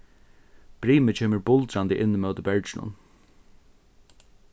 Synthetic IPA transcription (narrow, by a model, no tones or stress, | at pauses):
b̥ɾiːmət͡ʃʰeːməɹbʊlt̪ɾand̪əʔɪnːəmœːt̪əbɛɹd͡ʒɪnʊ̰n